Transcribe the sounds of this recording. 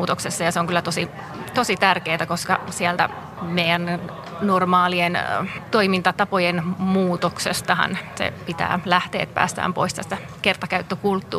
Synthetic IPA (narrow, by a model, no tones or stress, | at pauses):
uːt̪oksesːɑjɑseoŋkylːæt̪osi | t̪osit̪ærkeːt̪ækoskɑsiælt̪æ̰ | meijæn | normɑːlient̪oimint̪ɑt̪ɑpojenmuːt̪oksest̪ɑhɑ̰nsḛpit̪æ̰ːlæht̪ḛːt̪pæ̰ːst̪æ̰ːmpo̰ist̪æst̪æ | kert̪ɑkæyt̪ːøkult̪ːṵː